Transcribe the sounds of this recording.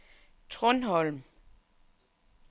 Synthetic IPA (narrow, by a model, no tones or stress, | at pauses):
t͡sʰʁɔnɦɒ̽lm